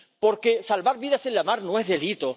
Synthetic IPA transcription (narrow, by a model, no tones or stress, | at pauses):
po̞ɾke̞salβaɾβiðase̞nlamaɾnoe̞ɦðe̞lit̪o